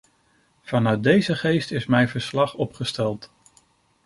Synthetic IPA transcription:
v̥ɑnœɥt̚dejzəχejstɪsmɛjvəɹslɑχɔpχəstɛlˠt

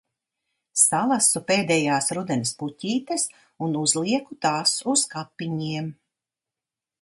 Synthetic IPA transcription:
salˠasupeːd̪ɛjaːsɾud̪ɛnisputʲiːt̪es | unuzlˠiɛkut̪aːsuskapːiɲiɛm

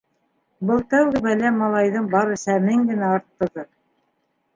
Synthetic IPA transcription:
bɤlˠt̪æwɡɘbælæmːɑlˠɑjðɤɴbɑɾɤ̆sæmɘŋɡɘ̆næɑɾt̪ːɤ̆ðɤ

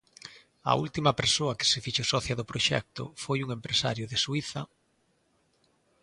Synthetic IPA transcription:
ɐ̰ult̪imɐpeɾsoɐkɪ̥sɪfiʃosɔθjɐðʊpɾoʃɛ̰k̚t̪ʊ̰fojuŋempɾesa̰ɾjʊðeswiθɐ

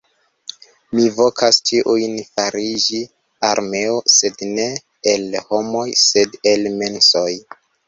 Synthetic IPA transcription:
mivo̞kʰastʰiʔujnfaɾid͡ʒi | aɾme̞ose̞dne̞ː | lho̞mo̞jse̞de̞lme̞nso̞j

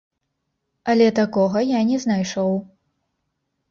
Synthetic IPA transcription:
ɐlʲɛt̪akɔɣɐjanʲɛznajʂɔw

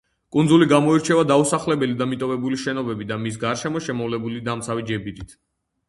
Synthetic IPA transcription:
kʼund̪zuliɡamɔiɾt͡ʃʰɛvad̪ausaχlɛbɛlid̪amit̪ʼɔvɛbuliʃɛnɔbɛbid̪amis̬ɡaɾʃɛmɔʃɛmɔvlɛbulid̪amt̪sʰavid͡ʒɛbiɾit̪ʰ

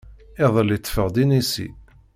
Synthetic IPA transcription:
ɪðˤəlːit̪ːfəʁd̪inisḭ

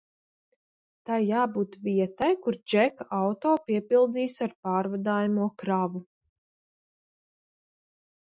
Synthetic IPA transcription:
t̪ajːaːbuːt̪viɛt̪ajkuɾd͡ʒɛkawt̪oːpiɛpilˠd̪iːsaɾpaːɾvad̪aːjamuɔkɾavu

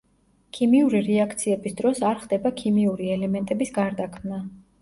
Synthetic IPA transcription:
kʰimiuɾiɾɛakʰt̪sʰiɛbisd̪ɾɔsaɾχd̪ɛbakʰimiuɾiɛlɛmɛnt̪ʼɛbisɡaɾd̪akʰmna

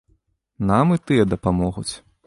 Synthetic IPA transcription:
namɨt̪ɨjɛd̪ɐpamɔɣṵt͡sʲ

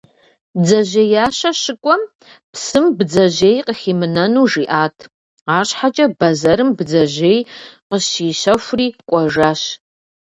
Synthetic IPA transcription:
d͡zɐʒejaːɕɐɕɨkʷʼɔm | psɨmbd͡zɐʑeːjqəxiːmɨnɐnuːʐiːʔaːtʰ | aːɕħat͡ʃʼɐbɐzɐɾɨmbd͡zɐʒeːjqəʃiːʃɐxʷʊriːkʷʼɔʒaːɕ

